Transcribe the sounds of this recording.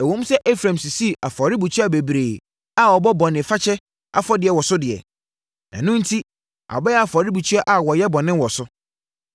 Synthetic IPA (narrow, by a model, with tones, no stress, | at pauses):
ɛ˨wõ˦m̩˦sɛ˦ʔe˦fɾã˨msi˨si˦˨a˨fɔ˨ɾɪ˦bu˨t͡ɕʰᶣi˦a˦˨be˨bɾeː˨ | a˨ɔ˨bɔ˦bɔ̃˨nɪ̃˨fa˦t͡ɕʰɛ˦ | ʔa̰˨fɔ˦dɪ˨ɛ˨wɔ˨sʊ˦dɪ˨ɛ̰˨ | nã̰˨nʊ̃˦n̩˦tʰi˦ | a̰˨bɛ˦a˨fɔ˨ɾɪ˦bu˨t͡ɕʰu˦a˦ʔa˨wɔ˨jɛ˦bɔ̃˨nɪ̃˦wɔ˨sʊ˦